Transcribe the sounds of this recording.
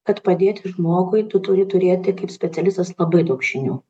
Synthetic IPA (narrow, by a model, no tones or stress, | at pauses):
kɐt̪pɐd̪ʲeːt̪ʲɪʒmoːɡʊɪt̪ʊt̪ʊɾʲɪt̪ʊɾʲeːt̪ʲɪkɐɪpsʲpʲɛt̪ʲɛlʲɪst̪ɐslˠɐbɐɪd̪ɐʊkʃʲɪnʲuː